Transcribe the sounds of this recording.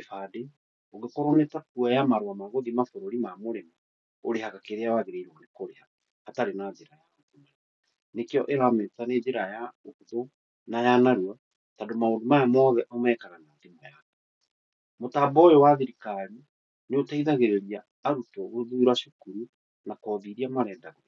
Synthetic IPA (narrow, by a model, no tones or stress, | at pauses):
efade | oɣekɔɾɔnetakuɛjamaɾwamaɣoðimafoɾoɾimamoɾema | oɾehakakeɾeawaɣeɾeiɾɔnekoɾeha | hataɾenaðeɾajaokuna | nekeɔʔeɾametaneðeɾajaohuðo | najanaɾua | tadomaondomajamɔðɛʔɔmɛːkaɣanaːdemajaka | motaːbɔjɔwaðiɾikaɾi | neotaiðaɣeɾeɾiaː | ɾutɔɣoðuɾwaɕokuɾu | nakɔðiɾiamaɾɛːndaɣo